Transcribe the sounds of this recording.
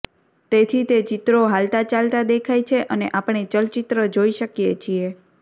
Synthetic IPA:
t̪et̪ʰit̪et͡ʃit̪ɾoɦalt̪at͡ʃalt̪ad̪ekʰajt͡ʃʰeʔəneʔapɳ̃et͡ʃəlt͡ʃit̪ɾəd͡ʒoiʃəkjet͡ʃʰie

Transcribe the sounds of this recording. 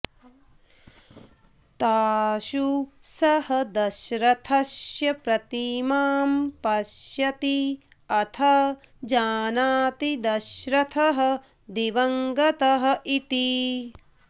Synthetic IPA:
t̪aːʃusɐhɐd̪ɐʃɾɐt̪ʰɐʃjɐpɾɐt̪imaːmpɐʃjɐt̪iɐt̪ʰɐ | d͡ʒaːnaːt̪id̪ɐʃɾɐt̪ʰɐɦɐ̆ | d̪iʋɐŋɡɐt̪ɐɦɐ̆ʔit̪i

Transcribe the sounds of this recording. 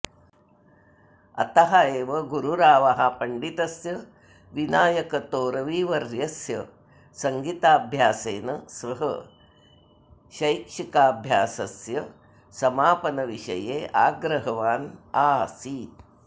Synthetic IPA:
ɐ̰t̪ɐɦɐeːʋɐɡuɾuɾaːʋɐɦɐpɐɳɖit̪ɐsjɐ | ʋinaːjɐkɐt̪oːɾɐʋiːʋɐɾjɐsjɐ | sɐŋɡit̪aːbʱjaːseːnɐsʋɐɦɐ̰ | ʃɐjkʂikaːbʱjaːsɐsjɐ | sɐmaːpɐnɐʋiʃɐ̰jeːʔaːɡɾɐɦɐʋaːnaːsiːt̪

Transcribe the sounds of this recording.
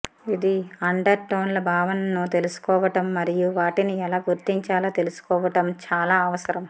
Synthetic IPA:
id̪iɐɳɖɐɾʈɐːnlɐbʱaːʋɐnɐnːut̪e̞lusu̥kɔːʋɐʈɐmːɐɾijuʋaːʈiniɛlaːɡuɾt̪iɲt͡ʃaːlɐt̪e̞lusu̥kɔːʋɐʈɐmt͡ʃaːlaːɐʋɐsɐɾɐm

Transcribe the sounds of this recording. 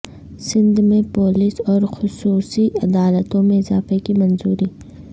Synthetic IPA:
sɪ̃nd̪mẽpoːlɪsɔːɾxʊsuːsiɐd̪aːlət̪õmẽɪzaːfekimɐ̃nzuːɾiː

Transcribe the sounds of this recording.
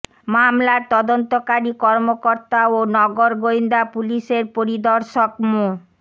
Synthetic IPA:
mamlaɾt̪ɔd̪ont̪okaɾikɔɾmokoɾt̪aonɔɡoɾɡojnd̪apuliʃeɾpoɾid̪ɔɾʃokmo

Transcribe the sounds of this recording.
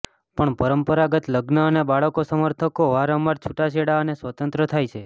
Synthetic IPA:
pəɳpəɾəmpəɾaɡət̪ləɡnəːnebaɭəkosəməɾt̪ʰəkoʋaɾəmːaɾt͡ʃʰuʈaʃeɽaənesʋət̪ənt̪ɾət̪ʰajt͡ʃʰe

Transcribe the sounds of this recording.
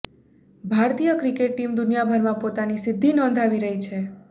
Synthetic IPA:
bʱaɾt̪ijəkɾikeʈ̚ːimd̪ʊnijabʱəɾmãpot̪anisɪd̪ʱːinɔ̃nd̪ʱaʋiɾəɦit͡ʃʰe

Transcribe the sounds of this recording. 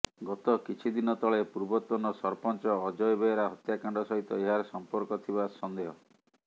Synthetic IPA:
ɡɔt̪ɔkit͡ʃʰid̪inɔt̪ɔɭepuɾbɔt̪wɔnɔsɔɾpɔnt͡ʃɔːd͡ʒɔjbeɾaɦɔt̪jakaɳɖɔsɔɦit̪ɔeɦaɾsɔmpɔɾkɔt̪ʰibasɔnd̪eɦɔ

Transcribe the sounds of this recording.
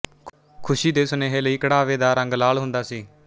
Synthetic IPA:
kʰʊʃiːd̪eːsʊneːɦeːləiːkəɽaːʋeːd̪aːɾə̃ŋɡlaːɭɦʊ̃nd̪aːsiː

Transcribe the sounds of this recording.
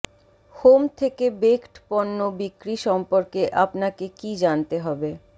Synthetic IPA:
homt̪ʰekebekʈpɔnːobikɾiʃɔmpoɾkeʔapnakekid͡ʑant̪eɦɔbe

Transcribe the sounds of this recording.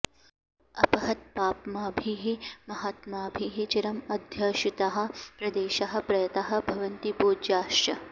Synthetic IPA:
ɐpɐɦɐt̪̚paːpmaːbʱiɦimɐɦat̪maːbʱiɦit͡ʃiɾɐmɐd̪ʱjɐːʃit̪ɐɦɐ̆pɾɐd̪eːʃɐɦɐ̆pɾɐjɐt̪ɐɦɐ̆bʱɐʋɐnt̪ipoːd͡ʒjaːʃjɐ

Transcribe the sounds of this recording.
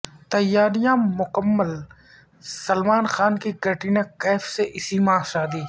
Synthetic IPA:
t̪əjaːɾɪjãːmʊkəmːəl | səlmaːnxaːnkiɡʱəʈiːnẽkɛːfseʔɪsiːmãːʃaːd̪iː

